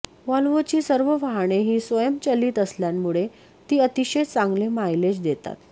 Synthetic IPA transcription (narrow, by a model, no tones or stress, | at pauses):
ʋalʋot͡ɕiːsəɾʋəʋaɦɳ̃eɦiːsʋəjəmt͡ɕəliːt̪əsljammːuɭe | t̪iːət̪iɕet͡sãŋɡlemajled͡ʑd̪et̪a̰t̪